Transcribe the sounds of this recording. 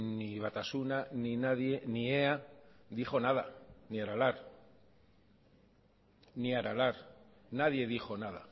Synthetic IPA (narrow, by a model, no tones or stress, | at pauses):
niβ̞at̪asunaninaðje̞nieaðiχo̞naðaniaɾalaɾ | niaɾalaɾ | naðje̞ðixo̞nað̞a